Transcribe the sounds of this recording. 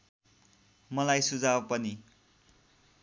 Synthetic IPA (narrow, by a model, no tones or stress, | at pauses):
mʌlajsud͡zawpʌni